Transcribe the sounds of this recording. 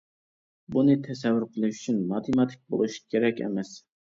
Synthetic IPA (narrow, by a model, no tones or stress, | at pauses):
bunɨt̪ʰɛsɛvːɨɾqʰəlˠɨʃyt͡ʃʰynmɑt̪ʰemɑt̪ʰɪ̥k̚ʲbo̰lˠuʃkʲʰeɾɛkʲɛ̰mɛs